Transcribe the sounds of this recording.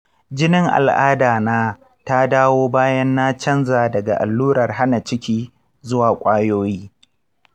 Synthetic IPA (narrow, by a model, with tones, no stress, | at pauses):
d͡ʒɪ˦nɪ˦ŋʔa̰˨lʔaː˦daː˨naː˦ | ta˦daː˦woː˦baː˦jɐ˦nːa˦t͡ʃɐ˦nzaː˨dɐ˨ɡa̰˨ʔa˨lːuː˦ɾɐ˨rɦa˦na˨t͡ʃɪ˦kʲiː˦ | zʊ˦waː˨kʷʼaː˦joː˦jiː˦